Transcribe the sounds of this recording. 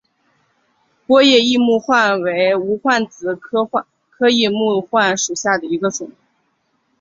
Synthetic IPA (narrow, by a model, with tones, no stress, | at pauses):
pwɔ˥jɛ˥˧i˥˧mu˥˧xwa˥˩nwe˧˥ɪu˧˥xwa˥˩nt͡sɹ̩˨˩˥ | kʰɤ˥i˥˧mu˥˧xwa˥˩nʂu˨˩ɕja˥˩d̪ə˩i˧˥ɡə˧ʈ͡ʂʊ˨˩˦